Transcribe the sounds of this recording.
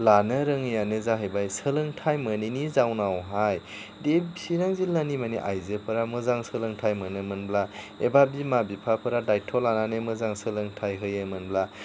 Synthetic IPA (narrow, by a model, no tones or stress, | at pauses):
lanɯɾɯŋjanɯzaɦɯjbajsəlɯŋtʰajməninizawnawɦaj | desiɾaŋzilːanimaniʔa̰jzɯpʰɯɾamɯzaŋsəlɯŋtʰajmɯnɯmɯnbla | ebabimabipʰapʰɯɾadajtʰɔlananemɯzaŋsəlɯŋtʰajɦɯjɯmɯnbla